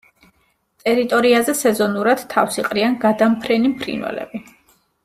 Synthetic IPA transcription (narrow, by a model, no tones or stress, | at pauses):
t̪ʼɛɾit̪ʼɔɾiazɛsɛzɔnuɾad̪̥t̪ʰːa̰fsiqʼɾianɡad̪ampʰɾɛnimpʰɾḭnwɛ̰lɛ̰bi